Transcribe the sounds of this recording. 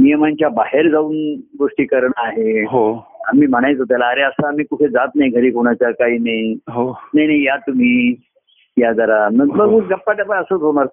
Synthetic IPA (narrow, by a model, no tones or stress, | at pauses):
nijəmant͡ɕjabaɦeɾd͡zauːnɡoʂʈiːkəɾɳaaɦeɦoa̰miːm̤əɽ̃ajt͡s̪ɦot̪̬alaːɾeəsaːmiːkuʈʰed͡zat̪najɡʱəɾiːkoɽ̃at͡ɕakaiːnajɦonaɦjnajjat̪um̤iː | jad͡zəɾaməɡməɡməɡəpːaʈəpaəsəːt͡sɦoñaɾ